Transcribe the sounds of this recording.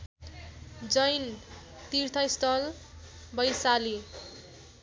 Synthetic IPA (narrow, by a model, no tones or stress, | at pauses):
d͡zʌjnt̪irt̪ʰʌjst̪ʰʌlbʌjsali